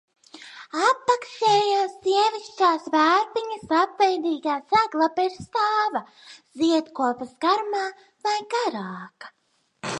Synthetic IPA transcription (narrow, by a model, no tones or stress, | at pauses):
apːaksɛːjaːsːiɛviʃt͡ʃaːsvæːɾpiɲɐsapvɛjd̪iːɡaːsæɡlˠapeɾst̪aːva | ziɛt̪kuɔpɐsɡaɾmaː | vajɡaɾaːkḁ